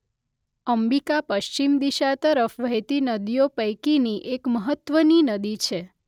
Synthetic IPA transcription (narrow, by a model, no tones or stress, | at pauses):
əmbikapəʃt͡ʃimd̪iʃat̪əɾəfʋəjt̪inəd̪ijopəjkiniʔekməɦət̪ːʋəninəd̪it͡ʃʰe